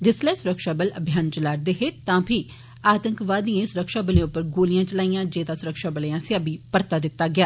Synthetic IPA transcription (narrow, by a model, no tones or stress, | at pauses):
d͡ʒɪsleɛːsʊɾəkʃaːbələbʱjaːnt͡ʃəlaːɽ̚d̪eːɦeːt̪ãːpʰiː | aːt̪əŋkʋaːd̪ĩẽːsʊɾəkʃaːbəlẽːʊpːəɾɡoːlɪjãːt͡ʃəlaːijãːd͡ʒeːd̪ãːsʊɾəkʃaːbəleːãːsɪaːbiːpəɾt̪aːd̪ɪt̪ːaːɡɪaː